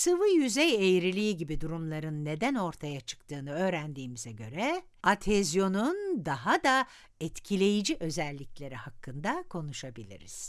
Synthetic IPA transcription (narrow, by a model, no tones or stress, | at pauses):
sɯvɯjyzɛjejɾilʲiiɟibid̪uɾumlˠaɾɯnːe̞d̪æno̞ɾt̪ʰajat͡ʃʰɯ̥kt̪ʰɯːnɯø̞ːɾænd̪iːmizɛɟø̞ɾɛ | at̪ʰezjo̞nund̪aɦad̪a | ɛt̪cʰilʲe̞jid͡ʒiʔø̞zɛlʲːiclʲe̞ɾihakːɯnd̪akʰo̞nuʃabilʲḭɾḭz̥